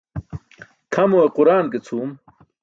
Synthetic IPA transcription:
kʰɐmoeqʊɾaːnket͡sʰuːm

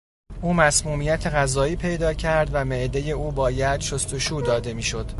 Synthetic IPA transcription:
ʔuːmæsmuːmijæt̪ʰe̞ɣæzɒːiːpʰe̞jd̪ɒːcʰæɾd̪væme̞ʔd̪e̞je̞uːbɒːjæd̪̥ʃo̞st̪o̞ʃuːd̪ɒːd̪e̞miːʃo̞d̪̥

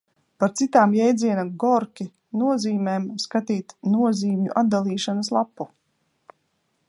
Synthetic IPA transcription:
paɾt̪sit̪aːmjɛjd̪zʲiɛnaɡɔɾkʲi | nuɔziːmɛːmskat̪iːt̪nuɔziːmɲṵʔad̪̚d̪alˠiːʃanəslˠapːu

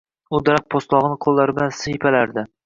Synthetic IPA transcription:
ʊd̪aɾaq̚pʰost̪lˠɒʁnɪqʰolˠːaɾɪblansɪjɪpʰalaɾd̪ɪ

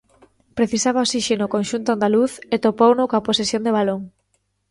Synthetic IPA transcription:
pɾeθisaβaosiʃenokõnʃunt̪oand̪aluθet̪opownʊkõaposesjond̪eβaloŋ

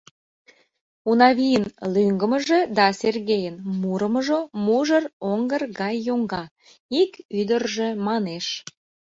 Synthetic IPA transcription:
unɑβijənlyŋɡəməʒĕd̪ɑserɣejənmuɾəməʒomuʒəroŋɡərɣɑjːoŋɡɑ | ikyd̪ərʒemɑneʃ

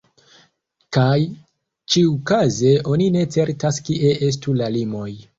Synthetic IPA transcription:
kaj | t͡ʃiukaze̞ʔo̞nine̞t͡se̞ɾtaskiʔe̞ʔe̞s̬tulalimo̞j

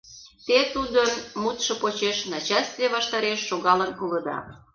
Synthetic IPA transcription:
t̪et̪ud̪ənmut̪ʃɤ̆pot͡ɕeʃnɑt͡ɕɑst̪vʲeβɑʃt̪ɑɾeʃːoɣɑlənkulə̆d̪ɑ̰

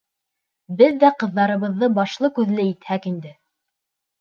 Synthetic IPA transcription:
bɘðːæqɤ̆ðːɑɾɤ̆βɤ̆ðːɤbɑʃlˠɤkʉðlɘit̪hækind̪ɘ

